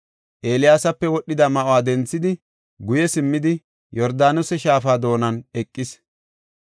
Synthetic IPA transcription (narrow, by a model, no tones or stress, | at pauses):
ʔe̞ːlɪjaːsɐpːɛwɔɗːɪd̪ɐmɐʔoaːd̪ɛnt͡sːɪd̪ɪ | ɡʊjɛsɪmːɪd̪ɪ | jɔɾd̪aːnʊsɛʃaːfaːd̪o̞ːnɐnɛkʼːɪs